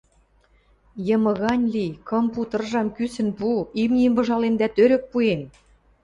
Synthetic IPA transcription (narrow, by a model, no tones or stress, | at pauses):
jɤ̆mɤ̆ɣɑnʲlikŏmput̪ɤ̆rʒɑmkysə̆npuimnʲimbɤ̆ʒɑlemd̪æt̪øɾɘ̆k̚puen